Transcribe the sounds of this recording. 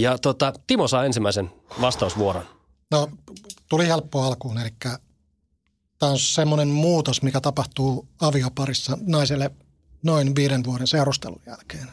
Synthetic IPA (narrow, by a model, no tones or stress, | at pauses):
jɑt̪ot̪ɑt̪imosɑːensimːæisen | ʋɑst̪ɑusʋuoɾo̰n | not̪ulihelpːoɑlkuːnelikːæ | t̪æːonsemːonemmuːt̪osmikæt̪ɑpɑht̪uːɑʋiopɑrisːɑnɑiselːe | noinʋiːɾenʋuoɾenseurust̪ḛlṵjjæ̰lkeːn